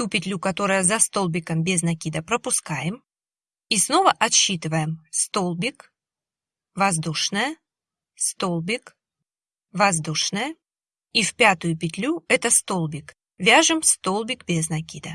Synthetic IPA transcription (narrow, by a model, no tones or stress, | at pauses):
t̪upʲɪt̪ʲlʲukɐt̪o̞ɾəjəzɐst̪o̞lˠbʲɪkəmbʲeznɐkʲid̪əpɾəpʊskajɪm | isno̞vəʔɐt̪ɕːit̪ɨvəjɪmst̪o̞lˠbʲɪk | vɐzd̪uʂnəjə | st̪o̞lˠbʲɪk | vɐzd̪uʂnəjə | ifʲpʲat̪ʊjʊpʲɪt̪ʲlʲuɛt̪əst̪o̞lˠbʲɪk | vʲaʐɨmst̪o̞lˠbʲɪkbʲeznɐkʲid̪ə